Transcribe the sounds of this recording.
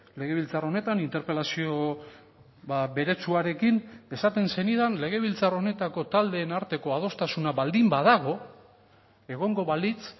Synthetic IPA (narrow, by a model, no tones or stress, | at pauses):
le̞ɣ̞e̞β̞ilt͡saro̞ne̞t̪anint̪e̞ɾpe̞lasio̞ | βabe̞ɾe̞t͡suaɾe̞kine̞sat̪e̞nse̞niðanle̞ɣ̞e̞β̞ilt͡saro̞ne̞t̪ako̞t̪ald̪e̞ːnaɾt̪e̞ko̞að̞o̞st̪asunaβald̪imbað̞aɣ̞o̞ | e̞ɣ̞o̞ŋɡo̞βalit͡s